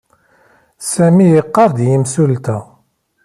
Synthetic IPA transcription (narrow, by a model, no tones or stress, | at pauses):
sæmijəqːɑɾˤd̪jəmsult̪æ